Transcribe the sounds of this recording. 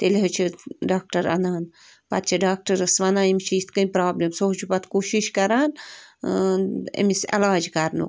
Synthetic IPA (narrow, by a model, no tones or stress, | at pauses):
t̪eleɦɐt͡ʃʰiɖaːk̚ʈɐɾɐ̰naːn | pɐ̰t̪̚t͡ʃʰiɖaːk̚ʈɐɾɐsʋɐnaːimʲt͡ʃʰiːst̪kɐnʲpɾaːblemsoɦt͡ʃʰupɐt̪koːʃiʃkɐɾaːn | ḛmisɛ̰laːd͡ʒkɐɾnṵk